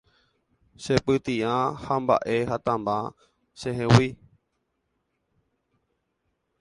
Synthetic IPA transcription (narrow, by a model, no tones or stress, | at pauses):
ʃepɨt̪ĩãhamba̰ʔeɦat̪ãmbã | ʃẽɦẽwi